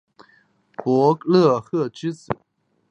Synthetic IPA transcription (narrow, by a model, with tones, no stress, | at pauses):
pwɔ˧˥lɤ˥˩xɤ˥˩ʈ͡ʂɻ̩˥t͡sɹ̩˨˩˦